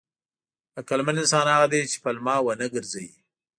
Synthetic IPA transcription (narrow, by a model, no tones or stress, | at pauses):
akalmanɪnsɑnhaɣad̪et͡ʃe̥palmɑwənəɡəɾzawi